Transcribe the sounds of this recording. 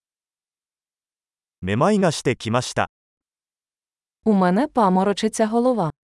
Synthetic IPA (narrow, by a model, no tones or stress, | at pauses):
memaiɡaɕi̥t̪e̞kʲimaɕi̥t̪a̰ | umɛnɛpamɔɾɔt͡ʃɪt͡sʲɐɦɔlˠɔʋa